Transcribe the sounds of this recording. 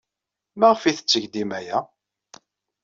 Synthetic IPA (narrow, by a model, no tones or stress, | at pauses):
maʁfiθə̥t͡sːəʝd̪imæjæ